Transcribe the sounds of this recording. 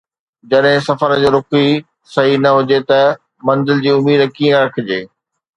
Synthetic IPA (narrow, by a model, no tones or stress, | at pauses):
d͡ʑɐɗɦɪ̃sɐfəɾəd͡ʑeːɾʊki | sɐɦinɐɦʊd͡ʑet̪ɐ | mɐ̃nzɪld͡ʑiːʊmiːd̪kiːə̃ɾɐkʰɪd͡ʑeː